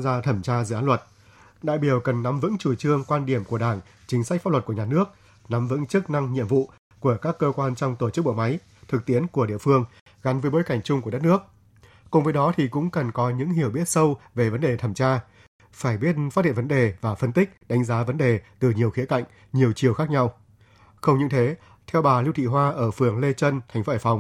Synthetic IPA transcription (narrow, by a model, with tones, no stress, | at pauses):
zaː˧t̪ʰə˧˩mt͡ɕaː˧zɨ̰˧˨ʔːlwə˨˩t̚ | ɗa̰ː˧˨jɓi˧˩əwkə˨˩nːa˨˦mvɨ̰˧˥ŋt͡ɕu˧˩t͡ɕɨ˧əŋkwaː˧nɗi˧˩əmku˧˩əɗaː˧˩ŋ | t͡ɕï̟˨˦sa˦˥k̟̚aː˦˥lwə˨˩t̚ku˧˩əɲaː˨˩nɨ˦˥ək̚ | na˨˦mvɨ̰˧˥ŋt͡ɕɨ˦˥k̚na˧ŋɲḭ˧əmvṵ˧˨ | ku˧˩əkaː˦˥kːəː˧kwaː˧nt͡ɕɔ˧wŋ͡mt̪o˧˩t͡ɕɨ˦˥k̚ɓo̰˧˨ma˨˦j | t̪ʰɨ˨˩k̚t̪i˨˦ənku˧˩əɗḭ˧˨əfɨ˧əŋ | ɣa˨˦nvəː˨˦jɓo˨˦jka˧˩jŋ̟t͡ɕʊ˧ŋ͡mku˧˩˨t̚nɨ˦˥ək̚ | kʊ˨˩ŋ͡mvəː˨˦jɗɔ˨˦t̪ʰi˨˩kʊ̰˧˥ŋ͡mkə˨˩nkɔ˨˦ɲɨ̰˧˥ŋɦi˧˩əwɓi˦˥ət̚sə˧wve˨˩və˨˦nɗe˨˩t̪ʰə˧˩mt͡ɕaː˧ | faː˧˩jɓi˦˥ət̚fa˦˥t̚hḭ˧˨vnɗe˨˩vaː˨˩fə˧nt̪ï˦˥k̟̚ɗa˨˦jŋ̟zaː˨˦və˨˦nɗe˨˩t̪ɨ˨˩ɲi˨˩əwxi˨˦əka̰˧˨jŋ̟ | ɲi˨˩əwt͡ɕi˨˩əwxaː˦˥k̚ɲa˧w | xə˧wŋ͡mɲɨ̰˧˥ŋt̪ʰe˨˦ | t̪ʰɛ˧wɓaː˨˩li˧wt̪ʰḭ˧˨ɦwaː˧ʔəː˧˩fɨ˨˩əŋle˧t͡ɕə˧nt̪ʰa˨˩jŋ̟fo˨˦əː˧˩fa˨˩wŋ͡m